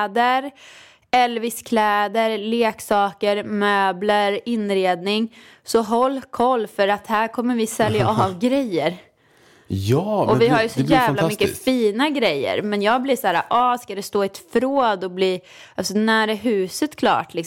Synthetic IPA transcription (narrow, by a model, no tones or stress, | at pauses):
d̪əɾ | ɛlːvɪskʰlɛːd̪əɾleːksɑːkəɾmøːbləɾɪnɾeːd̪nɪŋ | sɔɦɔlːkʰɔlːfœɾat̪hæːɾkʰɔmːəɾvɪsɛljaʔɑvɡɾɛjːəɾ | jɔvɪɦaɾjəsɔjæːvlamʏkːəfiːnaɡɾɛjːə̰ɾmɛnjɑːɡ̚bliːsæːɾa̰ʔɑskad̪ɛst̪oːɪt̪fɾoːd̪ɔbliː | alsɔnæːɾəɦʉ̟ːsət̪kʰlɑ̰ːʈʰlɪk